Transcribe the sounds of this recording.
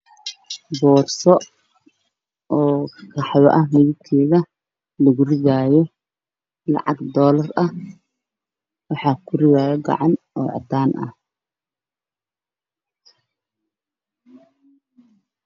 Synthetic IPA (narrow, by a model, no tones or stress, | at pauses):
bɔːrsɔ | ɔːkʰɑħwɐʔɐmɛðɪkʰɛːðɐ | lɐɣʊrɪɣaːjɔ | lɑ̰ʕɑɡd̪ɔːlɐrɐh | wɑħɑːkʰʊrɪɣaːjɛɡɑ̰ʕɑnʔɔːʕɑ̰d̪aːnʔɐ̰h